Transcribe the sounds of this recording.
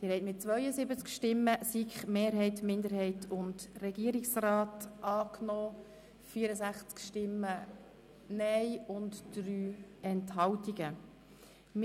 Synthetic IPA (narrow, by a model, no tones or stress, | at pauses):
d̥ɪɾhɛɪtmɪt͡sʋœʏəzɪbət͡skʃtɪmːəsikχmeːɾɦɛɪtmɪndəɾhɛɪtʰʊndrɛɡiəɾɪksrɑːtʔɑːknɔː | fiəɾəsæχt͡skʃtɪmːə | nɛjʊntd̥ɾyːɛnthɑwtiɡə | m